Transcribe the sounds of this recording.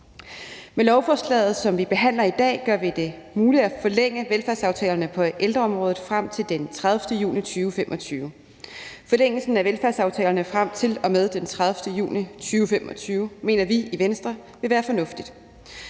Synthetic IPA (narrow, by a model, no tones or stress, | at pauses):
melɒʊfɒːslɛ̰ːð̞̩ˠsɒ̽mʋib̥e̝ɦæn̰lɐid̥ɛ̰ːɡ̥ɶɐʋid̥e̝ | muːli̥æfɒ̽leŋ̰əʋelfæɐsɑ̈ʊt͡sʰɛːlɐnəpʰɒ̽ʔeld̥ʁɐɒ̽mʁɔ̽ːð̩ˠfʁam̰t͡sʰe̝ld̥ent͡sʰʁað̞ˠfd̥əjṵːnit͡sʰyːʊfem̰ʔɒ̽t͡sʰyːʊ | fɒ̽leŋ̰l̩sn̩æʋelfæɐsɑ̈ʊt͡sʰɛ̰ːlɐnəfʁam̰t͡sʰe̝lɒ̽með̞ˠd̥ent͡sʰʁað̞ˠfd̥əjṵːnit͡sʰyːʊfemɒ̽t͡sʰyːʊme̝̰ːnɐʋiiʋensd̥ʁɐ | ʋe̝ʋæːɐfɒ̽nɔ̽fd̥id̥